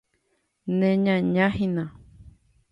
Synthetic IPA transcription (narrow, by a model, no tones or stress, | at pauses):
nẽɲãɲãhĩnã